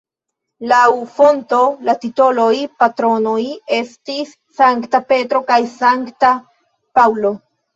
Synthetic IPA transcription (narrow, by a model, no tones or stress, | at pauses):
lawfo̞nto̞latito̞lo̞jpatɾo̞noje̞stisːaŋktape̞tɾo̞kajsaŋkta | pawlo̞